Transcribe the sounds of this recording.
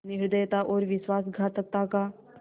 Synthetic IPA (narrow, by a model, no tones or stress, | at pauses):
niʂd̪ejt̪aʔoɾʋisʋas̬ɡʱat̪ək̚t̪aka